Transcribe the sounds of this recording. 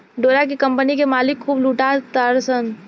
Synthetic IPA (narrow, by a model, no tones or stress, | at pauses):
ɖoːɾak̬ikɐ̃mpənikemaːlɪkʰːuːbluːʈaːt̪t̪aɾsən